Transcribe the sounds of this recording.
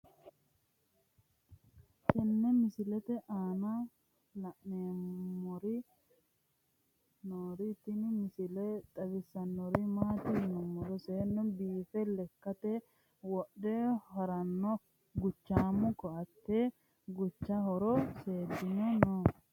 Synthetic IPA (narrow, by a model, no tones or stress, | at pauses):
kɛnːɛmɪsɪlɛt̪ɛʔaːnɐ | lɐʔneːmɔɾɪ | noːɾɪt̪ɪnmɪsɪlɛt̪ʼɐbɪsːɐnːɔɾɪmaːt̪ɪnɔmːɔɾɔseːnːɔbiːfɛlɛkːɐt̪ɛ | wɔɗɛhɔɾɐnːɔ | ɡʊt͡ʃːaːmːʊkːɔɐt̪ːeː | ɡʊt͡ʃːɐɦɔɾɔseːd̪ːɪnɔnɔ